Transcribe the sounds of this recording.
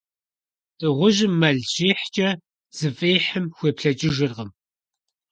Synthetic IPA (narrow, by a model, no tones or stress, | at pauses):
d̥ʼɨʁʷʊʒɪmːɐɮʑeːħt͡ʃʼɐ | z̥ɨfʼeːħəmxʷeːpɬɐt͡ʃʼɪʒɪrʁəm